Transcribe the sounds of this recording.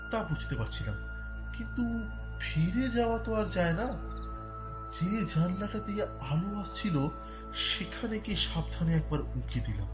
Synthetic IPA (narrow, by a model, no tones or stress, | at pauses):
t̪apud͡ʑʰʱt̪epaɾt͡ɕʰilam | kint̪u | fiɾed͡ʑaoat̪oaɾd͡ʑaena | d͡ʑed͡ʑanlaʈat̪e | aloast͡ɕʰilo | ʃekʰanekeʃab̚d̪ʱʰaneɛk̚baɾuɡed̪ilom